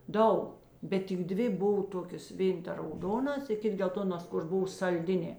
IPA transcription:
ˈdɐʊk ˈbʲɛt tʲɪk ˈdʲʋʲɪ ˈboːw ˈtoːkʲeːs ˈʋʲeːn tɐ rɐʊˈdoːnɐs ɪ ˈkʲɪt ɡʲɛlˠˈtoːnoːs kʊr ˈbʊw sɐlʲˈdʲɪnʲeː

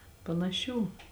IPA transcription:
pɐnɐˈʃʲuː

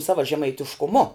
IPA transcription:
ˈsɑːʋɐ ʒʲɛmɐɪtʲɪʃkʊˈmʊ

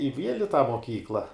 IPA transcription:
ɪ ˈʋʲiɛlʲ ɪ tɑː moːˈkʲiːklˠɐ

